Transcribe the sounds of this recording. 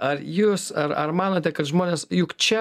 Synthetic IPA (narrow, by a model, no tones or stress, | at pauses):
ɐɾjuːsɐɾɐɾmɑːnoːt̪ʲɛkɐt̪ʒmoːnʲeːsjʊkt͡ʃʲɛ